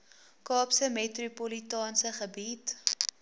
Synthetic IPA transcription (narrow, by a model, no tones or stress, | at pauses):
kɑːpsəmetrupolitɑːnsəχəbit